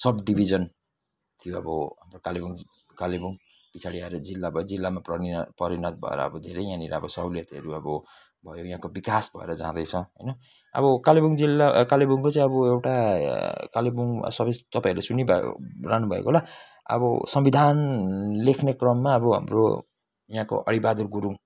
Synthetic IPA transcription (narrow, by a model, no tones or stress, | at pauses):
sʌbɖibʱid͡zʌn | t̪ʰijoʌbʌɦamrokalibuŋ | kalibuŋ | pit͡sʰaɽiaɾed͡zilːabʱʌjd͡zilːamaprʌɾpʌɾinʌt̪̚bʱʌ̰ḛɾʌ̰ːbʌd̪ʱeɾʌjãniɾaʌbʌsʌwlijʌt̪ʌ̰ɾuʌbʌ | bʱʌjojɦãkobikasbʱʌ̰ḛɾʌd͡zã̰d̪ʌjt͡sʰʌ̃ɦʌ̰jnʌ | ʌ̰bʌkalibuŋd͡zilakalibuŋkot͡saĩʌbʌewʈa | kalibuŋ̰sʌbest̪ʌpãĩɾlesunib̰ʱraɦnubʱʌḛkola | ʌ̰bʌ̰sʌmbid̪ʱanlekʰnekrʌmːaːbʌɦa̰mro̰ | jãko̰ʔʌɽibad̪urɡuɾu